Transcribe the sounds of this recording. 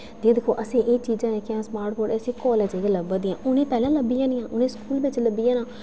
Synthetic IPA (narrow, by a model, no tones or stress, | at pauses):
d͡ʒeːd̪ɪkʰːoːʔəsĩːʔeːt͡ʃiːzãːɛːkɪãːsmaːɾʈboːʈeəsĩːkɔːleːd͡ʒeːɡeləbãːd̪iːãːʔʊnẽːpɛːlãːləbijãːnɪjãːʔʊnẽːskuːlʋɪt͡ʃləbːijãːnaː